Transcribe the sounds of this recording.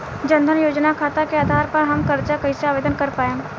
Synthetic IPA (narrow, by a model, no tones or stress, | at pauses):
d͡ʒɐ̃nd̪ʱənjoːd͡ʒnakʰaːt̪akeaːd̪ʱaːɾpɐɾɦɐmkɐɾt͡ʃakɐiseaːʋeːd̪ənkɐɾpaːẽ